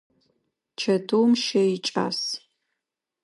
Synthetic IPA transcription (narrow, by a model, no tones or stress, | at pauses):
t͡ʃʰɐtʰowmʃɐit͡ʃʼa̰ːs